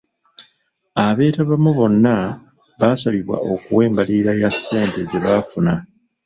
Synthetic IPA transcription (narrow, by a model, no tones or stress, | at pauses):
aβe̞ːtaβamuβo̞nːa | βasaβiβwa̰okṵwe̞ːmbaliɾajasːe̞ːnte̞zeβaːfuna